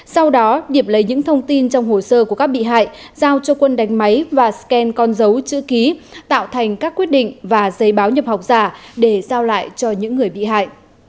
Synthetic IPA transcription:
sa˧wɗɔ˨˦ɗi˨˩əp̚lə˨˦jɲɨ̰˧˥ŋt̪ʰə˧wŋ͡mt̪i˧nt͡ɕɔ˧wŋ͡mho˨˩səː˧ku˧˩əkaː˦˥k̚ɓḭ˧˨ɦa̰ː˧˨jzaː˧wt͡ɕɔ˧kwə˧nɗa˨˦jŋ̟ma˨˦jvaː˨˩skɛ˧nkɔ˧nzə˨˦wt͡ɕɨ̰˧˥ki˨˦t̪a̰ː˧˨wt̪ʰa˨˩jŋ̟kaː˦˥kːwi˦˥ət̚ɗḭ˧˨ŋ̟vaː˨˩zə˨˦jɓaː˨˦wɲə˨˩p̚ha˨˩wk͡p̚zaː˧˩ɗe˧˩zaː˧wla̰ː˧˨jt͡ɕɔ˧ɲɨ̰˧˥ŋːɨ˨˩əjɓḭ˧˨ɦa̰ː˧˨jʔ

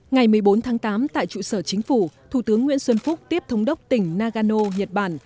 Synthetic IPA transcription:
ŋa˨˩jmɨ˨˩əjɓo˨˦nt̪ʰaː˨˦ŋt̪aː˨˦mt̪a̰ː˧˨jt͡ɕṵ˧˨səː˧˩t͡ɕï˨˦ŋ̟fu˧˩t̪ʰu˧˩t̪ɨ˨˦əŋːwḭ˧˥ənswə˧nfʊ˦˥k͡p̚t̪i˦˥əp̚t̪ʰə˨˦wŋ͡mɗə˦˥wk͡p̚t̪ï˧˩ŋ̟naː˧ɣaː˧no˧ɲə˨˩t̚ɓaː˧˩n

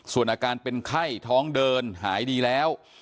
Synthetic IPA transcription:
su˨˩ənʔaː˧kaː˧npe˧nkʰa˥˩jt̪ʰɔː˦˥ŋdɤː˧nɦa̰ː˩˦jdiː˧lɛː˦˥w

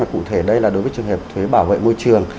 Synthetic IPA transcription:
maː˨˩kṵ˧˨t̪ʰe˧˩ɗə˧jlaː˨˩ɗo˨˦jvəː˨˦jt͡ɕɨ˨˩əŋɦe˨˩p̚t̪ʰwe˨˦ɓaː˧˩wvḛ˧˨mo˧jjt͡ɕɨ˨˩əŋ

